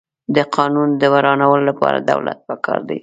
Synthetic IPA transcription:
d̪əqʰɑnund̪əwaɾɑnawəlolapɑɾad̪awlat̪̚pəkʰɑɾd̪aj

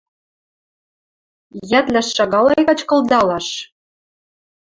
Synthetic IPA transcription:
jæt̪lʲæʃːɑɣɑlɑjɣɑt͡ɕkɤ̆lˠd̪ɑlɑʃ

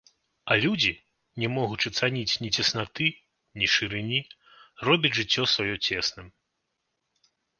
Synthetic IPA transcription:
ɐlʲud͡zʲi | nʲɛmɔɣut͡ʂɨt̪sanʲit͡sʲnʲit͡sʲɛsnat̪ɨ | nʲiʂɨɾɨnʲi | rɔbʲɐd͡zʲʐɨt͡sʲːɔsvajɔt͡sʲɛsnɨm

